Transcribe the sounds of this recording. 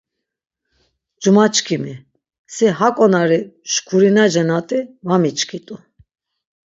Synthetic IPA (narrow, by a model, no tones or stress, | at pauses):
d͡ʒumat͡ʃʼkʰimi | siɦakʼɔnaɾiʃkʰuɾinad͡ʒɛnat̪ʼivamit͡ʃʰʼkʰit̪ʼu